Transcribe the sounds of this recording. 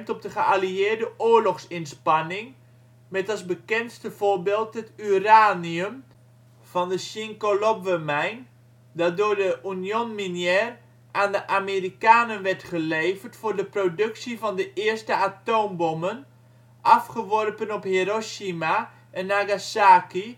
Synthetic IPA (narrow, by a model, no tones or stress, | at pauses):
mtɔp̚dəχəaliɪːrdəʔoːəɹlɔχsɪnspanɪŋ | mɛtalˠsbəkɛnstəv̥orbeːlˠtətyraːniəm | v̥ɔndəsiŋkolopʋəmɛjn | dadoːrdəʔunjonminjɛːr | ʔandəʔamerikaːnənʋɛrtχəleːvərtfʊːrdəprodɵksivɔndəʔɪəstəatoːmbɔmən | ʔɑfχəʋɔrpənɔpheɾoʃima | ənːaɡasaːki